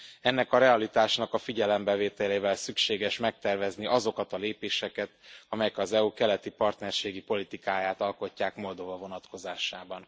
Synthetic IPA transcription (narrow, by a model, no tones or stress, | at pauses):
ɛnːɛkɒɾɛɒlit̪aːʃnɒkɒfiɟɛlɛmbɛveːt̪ɛleːvɛlsykʃeːɡɛʃmɛk̚t̪ɛrvɛzniʔɒzo̞kɒt̪ɒleːpeːʃɛkɛt̪ɒmɛjɛkɒzɛukɛlɛt̪ipɒrt̪nɛrʃeːɡipo̞lit̪ikaːjaːt̪ɒlko̞cːaːkmo̞ld̪o̞vɒvo̞nɒt̪ko̞zaːʃaːbɒn